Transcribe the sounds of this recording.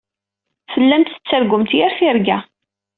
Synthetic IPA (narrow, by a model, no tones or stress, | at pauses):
fəlːæmt̪ə̥t͡sːəɾɡʷʊmt̪jæɾθiɾɡæ